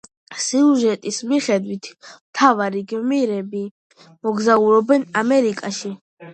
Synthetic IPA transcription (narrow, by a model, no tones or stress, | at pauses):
siuʒɛt̪ʼismiχɛd̪wit̪ʰmt̪ʰavaɾiɡmiɾɛbi | mɔɡzauɾɔbɛnamɛɾikʼaʃi